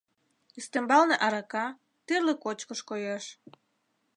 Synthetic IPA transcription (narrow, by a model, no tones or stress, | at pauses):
yst̪embɑlneʔɑɾɑkɑ | t̪erlĕkot͡ɕkəʃkojeʃ